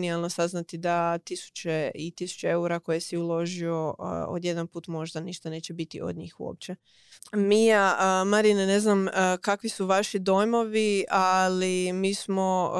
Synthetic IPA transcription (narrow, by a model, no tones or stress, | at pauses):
nialˠnosaznat̪id̪at̪isu̥t͡ɕeit̪isu̥t͡ɕeeuɾako̞jesiulˠo̞ʒio̞o̰d̪je̞d̪anpuːt̪mo̞ʒd̪aniʃt̪aneːt͡ɕebit̪ḭʔo̰d̪ɲḭːxṵo̰ːp̚t͡ɕe | mijaəmaɾinene̞znamkakʋisuʋaʃid̪o̞jmo̞ʋialimiːsmo̞